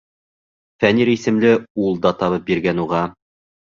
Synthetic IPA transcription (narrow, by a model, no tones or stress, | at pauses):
fæniɾisɘ̆mlɘulˠd̪ɑt̪ɑβɤp̚biɾɡænuʁɑ